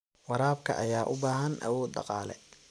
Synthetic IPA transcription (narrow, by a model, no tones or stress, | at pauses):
wɑɾaːb̚kʰɐ̰ʔɐjaːʔʊbaːɦɐnʔɐ̰wɔːd̪̚dɑ̰qɑːlɛ̰